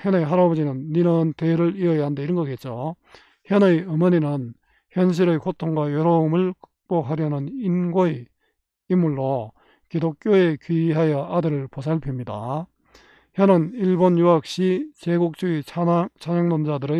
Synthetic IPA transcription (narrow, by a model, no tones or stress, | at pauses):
jʌnejɦaɾabod͡ʑinɯnːinɯnteɾɯɾiʌjʌɦandeiɾɯnɡʌɡet̚t͡ɕ͈o | çjʌnɯjɯmʌɲinɯn | çjʌnɕ̬ʰiɾɯjkotʰoŋɡwajʌɾʌɯmɯɭkɯ̥k̚p͈oɦaɾjʌnɯninɡoe | imːuɭːo | kidok̚k͈joe̞kɥiiɦajʌadɯɾɯɭpos̬ʰaɭpʰjimɲida | çjʌnɯniɭbonjuɦak̚ɕ͈it͡ɕeɡuk̚t͡ɕ͈uit͡ɕaɲaŋnond͡ʑadɯɾɯ